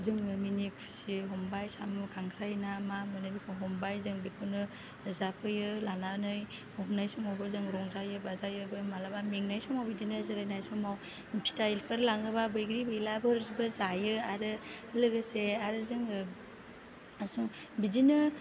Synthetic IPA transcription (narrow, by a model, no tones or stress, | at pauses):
zɯŋɯminik̚pʰi̥siɯɦɔmbajsamnukʰaŋkʰɾajnamamɯnɯbikʰɯɦɔmbajzɯŋbikʰɯnɯ | zapʰɯjɯlananɯjhɔɦmnajsɔŋawbɯzɯŋɾɔŋzajɯbazajɯbɯmalabameŋnajsɔmawbidinɯzɯɾajnajsɔmaw | pʰi̥tajlkʰɯɾlaŋɯbabɯjɡɾibɯilabɯɾzibɯzajɯaɾɯlɯɡɯseaɾɯzɯŋɯ | asuŋ | bidinɯ